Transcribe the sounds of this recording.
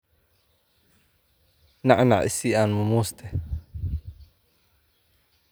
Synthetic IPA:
naʕnaʕʔɪ̰siːʔanmʊmuːst̪ʰɛ

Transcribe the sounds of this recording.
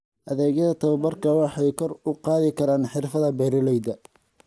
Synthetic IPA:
ʔɐðɛːɡjɐðɐt̪ʰɐwɐbɐrkʰɐwɑħɑjkʰɔrʊqɑːðɪkʰɐɾaːnħɪrfɐðɐbɛɾɪlɛjd̪ɐ

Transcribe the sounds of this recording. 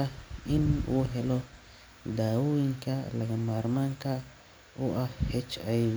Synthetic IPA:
ɐɪnṵːɦɛlɔ | d̪aːwʊjɪŋkʰɐlɐɣɐmaːɾmaŋkʰɐ | ʊʔɐhhɛt͡ʃaj

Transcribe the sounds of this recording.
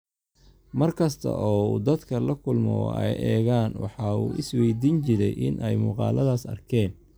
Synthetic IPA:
mɐrkʰɐst̪ʰɐ̰ʔɔːuːd̪ɐd̪kʰɐlɐkʰʊlmɔ̰ɛ̰jʔɛːɣaːnwɑ̰ħɑːuːʔɪswɛjd̪iːnt͡ʃɪɾɛjʔɪnʔɛjmʊːqɑ̰ːlɐðaːsɐ̰rkʰɛːn

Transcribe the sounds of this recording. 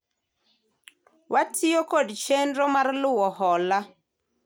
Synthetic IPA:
wʔatʰɪokodt͡ʃendɾɔmarlʊwɔhɔla

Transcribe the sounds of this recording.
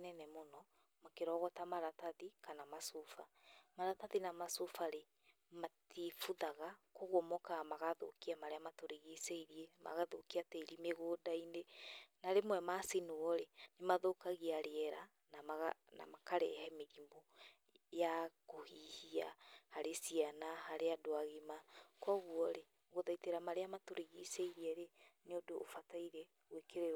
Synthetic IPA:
nɛnɛmonɔ | makeɾɔɣɔtamaɾataðikanamasofamaɾataðinamasofaɾe | matʰifuðaɣakoɣwɔmɔkamaɣaðo̰kiamaɾeamatoɾeɣeseiɾiɛma̰ɣaðokiateːɾimeɣoːdainenaɾemwɛmasenoɔɾenemaðokaɣiaɾeɛɾa | namaɣna̰makaɾɛ̰hɛmeɣimbo | jakohihiahaɾesianahaɾeadoaɣimakɔɣwɔɾe | ɣoðaiteɾamaɾeamatoɾeɣiseiɾiɛɾeneodoːfataiɾɛ | ɣwekeɾe

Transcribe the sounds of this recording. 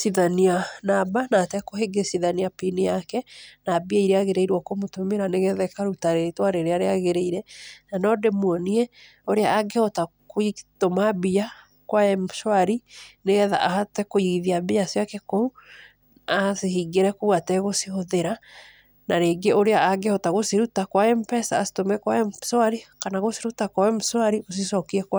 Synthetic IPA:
siðanianabanatɛkoheɡesiðaniapinijakɛnabiaiɾeaɣeɾeiɾwɔkomotomeɾaneɣɛðɛkaɾutaɾetwaɾeɾeaɾeaɣeɾeiɾɛnanɔdemwɔniɛ | oɾeaʔːɡehɔtakoitomabia | kwaɛmʃwaɾineɣɛða̰ʔahatɛkoiɣðiabiasjakekou | asehiɡeɾɛkuwatɛɣosihoðeɾa | naɾeːɡeoɾeaaɡehɔtaɣosiɾutakwaɛmpɛsaːsi̥tomɛkwaɛswaɾikanaɣosiɾutakwaɛmswaɾiɣos̬isɔkiɛkwa

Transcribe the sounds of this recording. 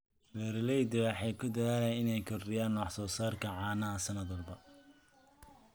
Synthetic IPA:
lɛɾɪlɛjd̪ɐaħɛjkʰʊd̪ɐðaːlɛnɪnɛjkʰɔrrɪjaːnːɔːħsɔːsaːrkʰɐʕɑːnɐɐsɐnɐðɐlbɐ

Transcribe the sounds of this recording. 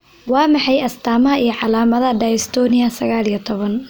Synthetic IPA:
wɑːmɑħɑjɐst̪ʰaːmɐɦɐijɞʕɑlaːmɐðɐɖajɪst̪ʰɔːnɪɐsɐɣaːlijɔt̪ʰɔβɐn

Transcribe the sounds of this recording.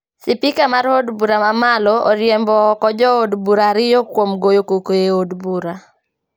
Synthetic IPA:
sɪpɪkamaɾodbuɾamamalɔo̰ɾjɛmbɔːkɔd͡ʒɔodbuɾaɾɪjɔkwomɡojokokoeodbuɾa

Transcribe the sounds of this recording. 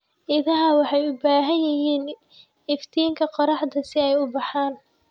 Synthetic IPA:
ʔɪðɐɦɐwɑħɑjʊbaːɦɐjɐɦiːn | ɪft̪ʰiːŋkʰɐqɔɾɑħd̪ɐsɪɛjʊbɑħaːn

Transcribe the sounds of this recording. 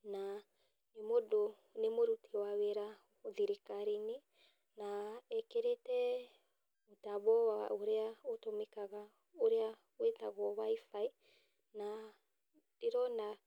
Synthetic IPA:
na | imodo | nemoɾutʰiwawɛɾa | ðiɾikaɾini | naɛkɛɾɛtɛ | utabɔwaa̰ʔuɾɛaotɔmikaɡa | oɾɛa | wɛtaɡɔβaifai | na | tiɾɔna

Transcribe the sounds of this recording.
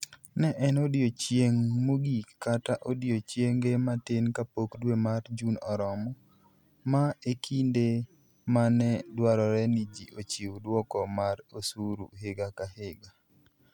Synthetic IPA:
nɛʔɛnodjot͡ʃjeŋmoɡikataʔodjot͡ʃjeŋɡematɪnkapokdwemard͡ʒunɔɾɔmɔ | maekʰinde | manɛdwaɾɔɾɛnid͡ʒiʔot͡ʃiwdwɔkɔmaɾosuɾṵɦeɡakaheɡa

